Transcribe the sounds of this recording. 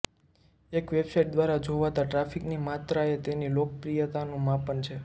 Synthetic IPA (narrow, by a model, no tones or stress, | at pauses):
ekʋebsajʈ̚d̪ʋaɾad͡ʒoʋat̪aʈɾafiknimat̪ɾaet̪enilok̚əpɾijət̪anũmapənt͡ʃʰe